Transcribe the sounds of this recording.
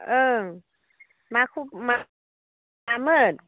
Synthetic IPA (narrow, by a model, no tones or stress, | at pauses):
ʔɤː | maːkʰuma | amɤːt̪̚